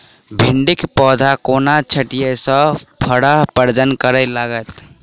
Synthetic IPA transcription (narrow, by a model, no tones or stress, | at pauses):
bʱiɳɖikpɔd̪ʱakonat͡ʃʰəʈijesə̃pʰəɽəɦpəɾd͡ʒənkəɾɛlaɡət̪